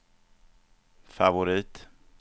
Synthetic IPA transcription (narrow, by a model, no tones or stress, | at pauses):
favʊɾiːt̪